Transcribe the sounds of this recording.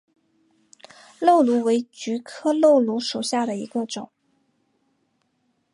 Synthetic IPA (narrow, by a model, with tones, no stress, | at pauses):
lo˥˩ʊlu˧˥we˧˥ɪt͡ɕy˧˥kʰɤ˥lo˥˩ʊlu˧˥ʂu˨˩ɕja˥˩d̪ə˩ḭ˧˥ɡə˧ʈ͡ʂʊ˨˩˦ŋ